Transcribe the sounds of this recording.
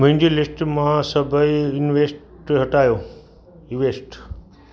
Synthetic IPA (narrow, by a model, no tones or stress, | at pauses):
mʊ̃ɦɪ̃ɲd͡ʑelɪsʈmãsɐbʱəiɪnʋeːsʈ | ɦɐʈaːjoː | iʋeːsʈ